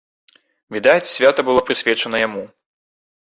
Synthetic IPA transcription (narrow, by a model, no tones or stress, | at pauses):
vʲid̪at͡sʲsʲvʲat̪ɐbɨlˠɔpɾɨsʲvʲɛt͡ʂɐnɐjamu